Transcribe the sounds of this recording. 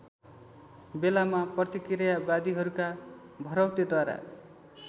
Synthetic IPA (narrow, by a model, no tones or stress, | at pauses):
belamaprʌt̪ikiɾjabad̪iɦʌɾukabʱʌɾʌwʈed̪waɾa̰